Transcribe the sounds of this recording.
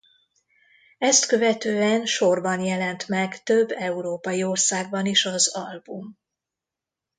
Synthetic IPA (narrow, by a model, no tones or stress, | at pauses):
ɛst̪kø̞vɛt̪øːɛnʃo̞rbɒnjɛlɛnt̪mɛɡt̪ø̞bːɛuɾoːpɒjio̞rsaːɡ̚bɒniʃɒzɒlbum